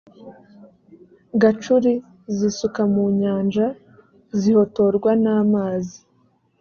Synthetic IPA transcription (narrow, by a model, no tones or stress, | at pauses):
ɡat͡ʃuɾi | zisukamuɲaːnd͡ʒa | ziho̞to̞ɾɡwanaːmaːzi